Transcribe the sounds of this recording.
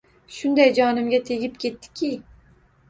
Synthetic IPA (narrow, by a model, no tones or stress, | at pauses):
ʃʊnd̪ajd͡ʒɒnɪmɡʲat̪ʰe̞ɡʲɪp̚kʲʰe̞t̪ːɪ̥kʲʰi